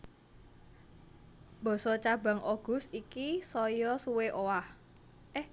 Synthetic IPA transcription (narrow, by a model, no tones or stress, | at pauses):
bɔ̤sɔt͡ʃaba̤ŋʔɔɡ̥ʊ̤st̪ikisɔjɔsuweʔowah | ʔɛh